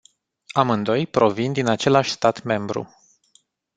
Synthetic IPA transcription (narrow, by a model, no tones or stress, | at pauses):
amɨnd̪o̞jpɾo̞vind̪inat͡ʃe̞laʃʲst̪at̪me̞mbɾṵ